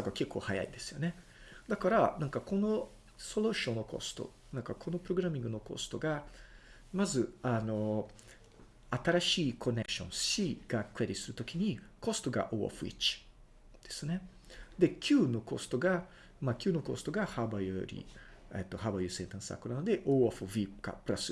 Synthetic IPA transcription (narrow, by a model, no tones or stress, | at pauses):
sakoke̞kːo̞ːhaja̰ḭd̪e̞sɨ̥jo̞ne̞ | d̪akaɾanãŋkako̞no̞ | so̞loɕõ̞nːo̞ko̞̰sɨ̥t̪o̰ | nãŋkakʰo̞no̞pɯ̟ɾo̞ɡɯ̟ɾamʲĩŋɡɯ̟noko̞̰sɨ̥t̪o̞ɡa | mazɨano̞ | at̪aɾaɕiːkʰo̞ne̞kɯ̥ɕõ̞̰nsɕiɡ̥akɯ̟eɾʲisɨɾɯ̟t̪o̞kʲiɲ̟iko̞st̪o̞ɡa̰ʔo̰o̰ɸɯ̟ḭt͡ɕi̥ | d̪̥e̞sɨne̞ | d̪e̞kʲʰɨːnoko̞sɨ̥t̪o̞ɡa | makʲɨːno̞ko̞sɨ̥t̪o̞ɡahabajɯɾʲḭ | ḛt̪ːo̞habajɯsẽnt̪ãsa̰kːonanod̪e̞ʔoːoɸɯvika̰pɯ̟ɾasɨ